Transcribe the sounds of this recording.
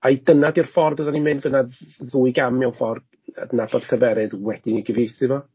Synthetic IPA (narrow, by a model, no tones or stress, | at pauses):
ajdənadirfɔrdəðanimɨnvənaðuːɨɡamjɔwˠfɔrd | ə̰dnabɔd̥θʰəvɛɾɨðwɛd̥ɪniɡəviːsɨvɔ